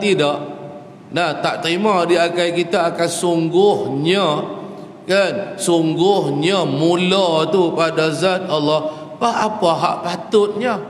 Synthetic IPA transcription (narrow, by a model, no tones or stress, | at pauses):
t̪idaʔ | nat̪aʔt̪ɾimadiakajkit̪aːkansuŋɡʊhɲa | kansuŋɡʊhɲamulat̪upadazat̪̚alːɔh | paɦapaɦa̰ʔpat̪ʊt̪̚ɲə